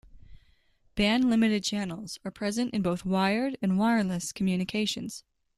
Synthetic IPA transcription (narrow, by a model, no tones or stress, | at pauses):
b̥æ̃nlɪ̃mɨɾɨd̚t͡ʃʰænl̩ˠz̥ə˞pʰɹ̥ɛzɨ̃ntɨ̃nboʊθwaɪə˞ɾɨ̃nwaɪə˞lɨskʰm̩jʉnɨkʰeɪʃɨ̃nz̥